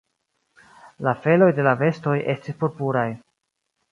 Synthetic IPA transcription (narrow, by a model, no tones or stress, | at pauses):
lafe̞lo̞jde̞lave̞sto̞jʔe̞stispoɾpuɾaj